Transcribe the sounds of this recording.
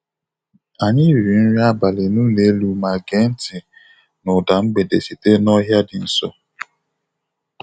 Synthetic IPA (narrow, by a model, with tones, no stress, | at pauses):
a˨ɲɪ˦ɾi˨n̩˦ɾi˦a˦ba˨le˨nuː˦ne˨˦lu˦ma˨ɡe˦n̩˦tɪ˨ | nʊ˨da˨ŋ͡m̩˦ɡ͡be˨de˨si˨te˦nɔ˦ɦja˦dɪ˨n̩˨sɔ˦